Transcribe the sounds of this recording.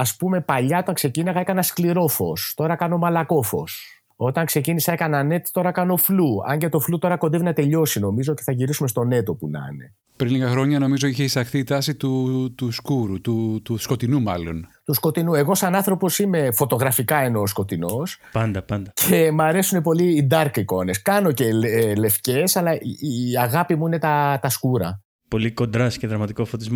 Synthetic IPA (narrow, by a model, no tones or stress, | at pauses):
ɐspume̞pɐʎɐo̞t̪ɐŋkse̞cinɐɣɐekɐnɐskliɾo̞fo̞̰st̪o̞ɾɐkɐno̞mɐlɐko̞fo̞̰s | o̞t̪ɐŋkse̞cinisɐekɐnɐne̞t̪i̥t̪o̞ɾɐkɐno̞fluɐ̰ɲɟet̪o̞flut̪o̞ɾɐko̞nd̪evinɐt̪e̞ʎo̞sino̞mizoce̥θɐʝiɾisumest̪o̞ne̞t̪o̞punɐ̰ne̞̰ | pɾinliɣɐxɾo̞ɲɐno̞mizo̞içeisɐxθiːt̪ɐsit̪ut̪uskuɾut̪ut̪usko̞t̪inumɐlo̞nt̪usko̞t̪inue̞ɣo̞sɐnɐnθɾo̞po̞sime̞fo̞t̪o̞ɣɾɐfikɐe̞nosko̞t̪ino̞s | pɐnd̪ɐpɐnd̪ɐcʰe̞mɐɾe̞sune̞po̞liːd̪ɐɾkiko̞ne̞skɐno̞ce̞le̞fce̞sɐlɐʔiiɐɣɐpimuine̞t̪ɐt̪ɐskuɾɐ | po̞liko̞nd̪ɾɐsceðɾɐmɐt̪iko̞fot̪izm